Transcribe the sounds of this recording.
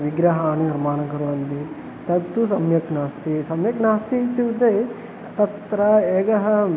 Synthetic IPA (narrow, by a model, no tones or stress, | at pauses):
ʋiɡɾɐɦaːniniɾmaːnɐɡɐɾuʋɐnd̪i | t̪ɐt̪ːusɐmjɐknaːst̪isɐmjɐknaːst̪it̪iʋud̪eː | t̪ɐt̪ɾɐeːɡɐɦɐ